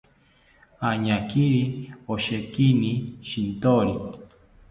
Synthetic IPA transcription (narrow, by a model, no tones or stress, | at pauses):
aɲakiɾioʃekiniʃint̪oɾi